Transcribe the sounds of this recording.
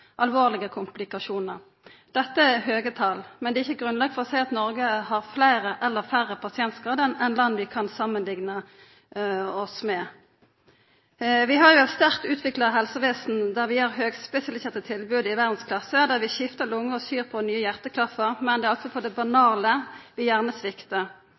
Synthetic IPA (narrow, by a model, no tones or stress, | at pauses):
ʔɑlʋoːʁlɪɡəkʰʊmplɪkɑʂuːnəʁ | d̪̥ɛt̪ːəæɦøːɡət̪ʰɑlmɛnd̪ɛːɪçːəɡʁʉnlɑɡfɔʁɔsæɪɑt̪nɔʁɡəɦɑʁflæɪʁəʔɛlːəfæʁəpʰɑsɪɛnt̪sɡ̥ʁɑːd̪ənɛnlɑnːʋɪkʰɑnsɑmːənlɪɡnə | ɔsmɛ | ʋɪɦɑʁjʊɛt̪st̪æʁkt̪ʉːt̪ʰʋɪklɑɦɛlsəʋeːsn̩d̪æʁʋɪæʁɦøːɡspɛsɪɑlɪseːʁt̪ət̪ʰɪlbʉːd̪ɪʋæʁd̪n̩skʰlɑsəd̪æːʁʋɪçɪft̪əlʊŋːəɔsyːʁpʰɔnyːəjæʁt̪əkʰlɑfəʁmɛnd̪ɛːɑlsɔpʰɔd̪ɛbɑnɑːləʋɪjæʁnəsʋɪkt̪ə